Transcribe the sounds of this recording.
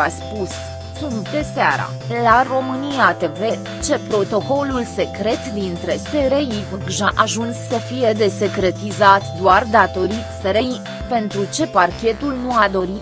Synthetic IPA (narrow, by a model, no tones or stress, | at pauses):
aspus | sunt̪d̪e̞sea̰ɾa̰laro̞mɨnijat̪eve̞ | t͡ʃe̞pɾo̞t̪o̞ko̞lulse̞kɾe̞t̪d̪int̪ɾe̞seɾejivɨɡʒaʔaʒunsːəfije̞d̪e̞se̞kɾe̞t̪izat̪d̪oard̪at̪o̞ɾit̪seɾej | pe̞nt̪ɾut͡ʃe̞parkʲe̞t̪ulnuad̪o̞ɾi